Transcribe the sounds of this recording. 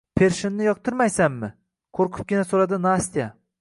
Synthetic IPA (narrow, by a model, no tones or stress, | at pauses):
pʰe̞ɾʃɪnnɪjɒq̚t̪ʰɪɾmajsamːɪ | qʰoɾqʰʊ̥p̚ɡʲɪnasolad̪ɪnast̪ija